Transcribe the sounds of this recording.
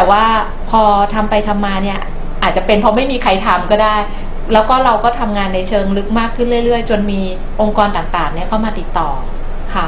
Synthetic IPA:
t̪ɛː˨˩waː˥˩ | pʰɔː˧t̪ʰa˧mpa˧jt̪ʰa˧mːaː˧ni˥˩ɐ | ʔaː˨˩t̪̚t͡ɕa˨˩pe˧npʰɔ˧ma˥˩jmiː˧kʰa˧jt̪ʰa˧mkɔː˥˩daː˥˩j | lɛː˦˥wkɔː˥˩ɾa˧wkɔː˥˩t̪ʰa˧mŋaː˧nːa˧jt͡ɕʰɤː˧ŋɾɯ˦˥k̚maː˥˩kʰːɯ˥˩nlɯ˥˩jɾɯ˥˩əjt͡ɕo˧nmiː˧ | ʔo˧ŋkɔː˧nt̪aː˨˩ŋt̪aː˨˩ŋni˥˩ɐkʰa˥˩wmaː˧t̪i˨˩t̪ːɔː˨˩ | kʰa˦˥

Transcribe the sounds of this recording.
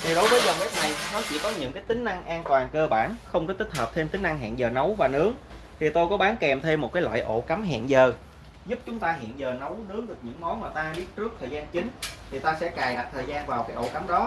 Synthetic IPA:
t̪ʰi˨˩ɗo˨˦jvəː˨˦jzə˨˩ŋ͡mʔɛ˦˥t̚na˨˩jnɔ˨˦t͡ɕḭ˧˥kɔ˨˦ɲɨ̰˧˥ŋkaː˨˦jt̪ï˨˦ŋ̟na˧ŋʔaː˧nt̪waː˨˩ŋkəː˧ɓaː˧˩nxə˧wŋ͡mkɔ˨˦t̪ï˦˥t̚ɦəː˨˩p̚t̪ʰe˧mt̪ï˨˦ŋ̟ʔa˧ŋɦɛ̰ː˧˨nzəː˨˩nə˨˦wvaː˨˩nɨ˨˦əŋ | t̪ʰi˨˩t̪o˧jkɔ˨˦ɓaː˨˦nkɛ˨˩mt̪ʰe˧mːo˨˩t̚kaː˨˦lwa̰ː˧˨jʔo̰˧˩ka˨˦mɦɛ̰˧˨nzəː˨˩ | zʊ˦˥p̚t͡ɕʊ˨˦ŋ͡mt̪aː˧ɦḭ˧˨ənzəː˨˩nə˨˦wnɨ˨˦əŋɗɨ˨˩ək̚ɲɨ̰˧˥ŋmɔ˨˦nmaː˨˩t̪aː˧ɓi˦˥ət̚t͡ɕɨ˦˥ək̚t̪ʰəː˨˩jzaː˧nt͡ɕï˨˦ŋ̟t̪ʰi˨˩t̪aː˧sɛ̰˧˥kaː˨˩jɗa̰ː˧˩t̪ʰəː˨˩jzaː˧nvaː˨˩wkaː˨˦jʔo̰˧˩ka˨˦mɗɔ˨˦

